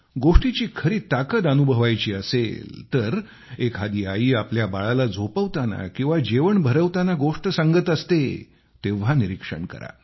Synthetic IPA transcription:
ɡoʂʈit͡ɕiːkʰəɾiːt̪akət̪ənubʱəʋajt͡ɕiːəsḛlt̪əɾ | ekɦad̪iːaiːapljabaɭalad͡zʱopəʋt̪ana̰kĩw̃ʋad͡ʑeʋəɳbʱəɾəʋt̪anaɡoʂʈəsaŋɡət̪əst̪e | t̪eʋ̤aniɾikʂə̰ɳkə̰ɾa̰

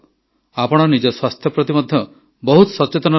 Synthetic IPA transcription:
apɔɽ̃ɔnid͡ʒɔswast̪ʰjɔpɾɔt̪imɔd̪ʱjɔ | bɔɦut̪sɔt͡ʃet̪ɔnɔ

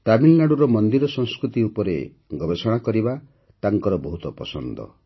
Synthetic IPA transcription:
ʈamilnaɽuɾɔmɔnd̪iɾɔsɔ̃ŋskɾut̪iupɔɾḛ | ɡɔbesɔɽ̃akɔɾiba | t̪aŋkɔɾɔbɔɦut̪ɔpɔsɔnd̪ɔ̰

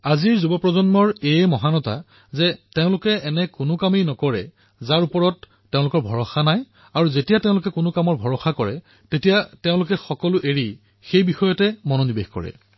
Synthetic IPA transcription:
aziɹzubɔpɹɔzɔnmɔɹejmɔɦanɔta̰ | zɛteʊ̃lʊkɛɛnɛkʊnʊkamejnɔkɔɹɛ | zaɹupɔɹɔtː | eʊ̃lʊkɔɹbʱɔɹɔxanaj | aɹuzetijateʊ̃lʊkɛkʊnʊkamɔɹbʱɔɹɔxakɔɹɛ̰ | tetijateʊ̃lʊkɛxɔkɔlʊʔeɹi | xejbixɔjɔtɛmɔnonibexkɔ̰ɹɛ̰

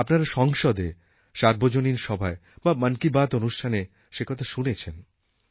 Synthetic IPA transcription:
apnaɾaʃɔŋʃod̪e | ʃaɾbod͡ʑoninʃɔbʱaebamankibat̪onuʃʈʰane | ʃekɔt̪ʰaʃunet͡ɕʰen

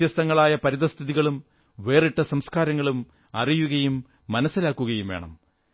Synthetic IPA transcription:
jɐst̪ɐŋːɐɭaːjɐpɐɾiðɐst̪ʰiðiɣɐɭum | ʋe̞ːriʈːɐsɐmskaːɾɐŋːɐɭum | ɐ̰rijuɣɐjumː | ɐnɐsːilaːkːuɣɐjumʋeːɳɐ̰m

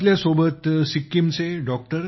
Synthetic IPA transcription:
ljasobʱət̪sikːimt͡seɖɔk̚ʈəɾ

